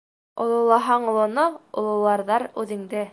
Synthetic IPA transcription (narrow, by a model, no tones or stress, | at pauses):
ŏlˠŏlˠɑɦɑɴŏlˠŏnoŏlˠŏlˠɑɾðɑɾʉðɘ̆ŋd̪ɘ